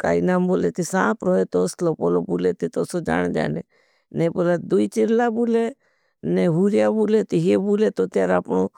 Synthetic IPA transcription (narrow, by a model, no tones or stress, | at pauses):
ka̰ːinaːmboːlet̪isãːpɾɔːet̪oːslopoːlobuːlet̪it̪oːsod͡ʒa̰ːɳ̃d͡ʒa̰ːne | neboːlad̪uit͡ʃɪɾlabuːle | neɦuɾjabuːlet̪iɦebuːlet̪ot̪jaːɾaːpɳoː